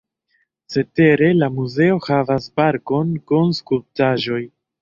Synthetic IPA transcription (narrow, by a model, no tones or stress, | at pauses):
t͡se̞te̞ɾe̞lamuze̞o̞havaspaɾko̞nkonskulp̚taʒo̞j